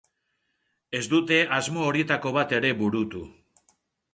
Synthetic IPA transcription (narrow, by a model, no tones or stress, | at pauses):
e̞zd̪ut̪e̞ʔazmo̞ːɾie̞t̪ako̞βat̪e̞ɾe̞βuɾut̪u